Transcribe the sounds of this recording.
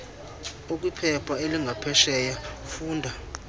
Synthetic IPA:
ok̬ʼwipʰɛpʰaeliŋʱapʰɛʃɛːjafuːndʱa

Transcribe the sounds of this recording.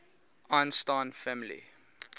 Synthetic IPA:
ãnstãnfæmilḭ

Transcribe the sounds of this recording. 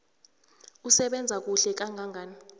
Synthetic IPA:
usɛɓɛnd͡zʱak̬ʼuɬɛk̬aŋɡʱaŋɡʱaːni

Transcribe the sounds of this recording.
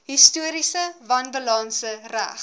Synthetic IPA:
ɦistuəɾisəvɐnbəlɑːnsəræ̰χ

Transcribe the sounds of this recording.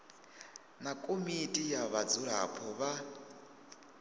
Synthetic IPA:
nakʼomitʼijaβad͡zuɺa̰pʰɔβa

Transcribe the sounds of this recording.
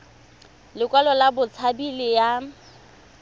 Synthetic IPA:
lɪkwalɔlabʊt͡sʰabilɪja

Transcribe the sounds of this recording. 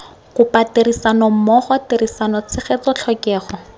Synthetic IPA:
kʊpateɾisanɔm̩mɔχɔteɾisanɔt͡sʰɪχet͡sɔt͡ɬʰɔkɛːχɔ

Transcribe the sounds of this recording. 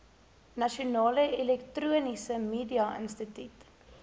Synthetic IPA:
nɐʃiunɑːləelɛktruənisəmiːdiɐə̰nstətyt

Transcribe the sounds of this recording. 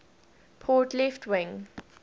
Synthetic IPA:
pʰɔtlɛftʰwɪ̃ŋ

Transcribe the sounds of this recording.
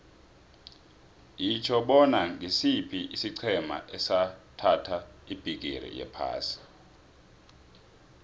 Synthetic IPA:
jit͡ʃʰɔɓɔnaŋɡisipʰiʔisiǀʰɛma̰ʔɛsatʰatʰaib̥ʱik̬ḭɾḭjɛ̰pʰa̰ːsi̥

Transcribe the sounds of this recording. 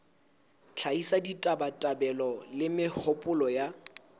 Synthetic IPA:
t͡ɬʰaisaditʼabatʼabɛlɔlɪmɪhʊpʼʊlɔja

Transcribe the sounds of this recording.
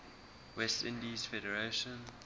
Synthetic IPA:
wɛstɪ̃ndizfɛɾɛɹeʃɔ̃n

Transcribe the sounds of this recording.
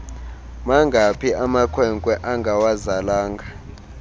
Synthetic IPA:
maŋɡʱapʰiamakʰwɛŋkʼwɛʔaŋɡʱawazalaːŋɡʱa

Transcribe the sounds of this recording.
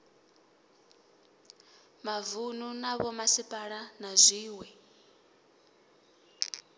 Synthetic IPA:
mavununaβɔmasipʼaɺanazʷiːwɛ

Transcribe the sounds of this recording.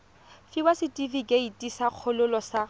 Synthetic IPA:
fibasɪtʼifikʼeitʼisaq͡χʰʊlʊlɔsa

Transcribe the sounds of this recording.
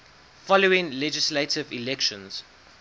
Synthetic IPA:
fɔloɪ̃ŋlɛd͡ʒɪsletʰɪvilɛkʃə̃nz̥

